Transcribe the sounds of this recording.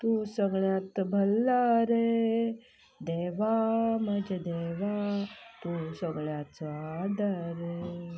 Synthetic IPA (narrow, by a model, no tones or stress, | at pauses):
t̪ũsəɡɭjat̪bʱəlːaɾe | d̪eʋamɐd͡ʒd̪eʋat̪ũsə̃ɡɭjat̪ad̪əɾe